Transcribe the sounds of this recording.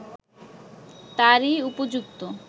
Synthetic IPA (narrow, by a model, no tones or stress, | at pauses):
t̪aɾiupod͡ʑuk̚t̪o